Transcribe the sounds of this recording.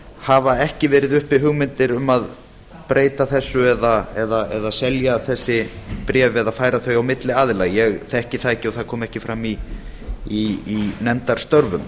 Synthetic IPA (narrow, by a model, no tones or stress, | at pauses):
havaɛhcɪvɛːɾɪðʏhpɪɦʏɣmɪnt̪ɪɾʏmað | pɾeːjt̪aθɛsːʏɛðaɛðaɛðasɛljaθɛsːɪpɾɛːvɛðaðfaːjɾaθœɥawmɪt̪lɪaːðɪlajjɛɣθɛhcɪθaðɛhcɪɔθaðkʰɔːmɛhcɪfɾamːiː | nɛmt̪aɾ̥st̪œɾvʏm